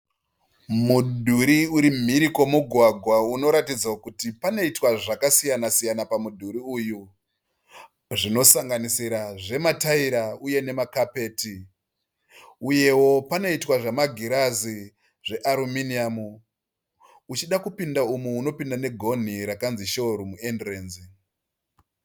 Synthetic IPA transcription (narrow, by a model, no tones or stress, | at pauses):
mudʱuɾiuɾim̤iɾiko̞muɡʱwaɡʱwauno̞ɾatid͡zaokutipano̞itwaʐakasijanasijanapamudʱuɾiuju | ʐino̞saŋɡanisiɾaʐe̞mataiɾauje̞ne̞makape̞ːti | uje̞wo̞pano̞itwaʐemaɡʱiɾazi | ʐe̞ʔaɾuminiamu | ut͡ʃiɗakupindaumuːno̞pindane̞ɡʱo̞n̤iɾakanziʃo̞ɾumuendreːnzi